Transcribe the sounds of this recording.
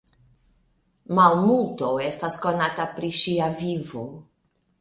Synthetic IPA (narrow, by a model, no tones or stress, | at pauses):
malmultowe̞stasko̞natapɾiʃiavivo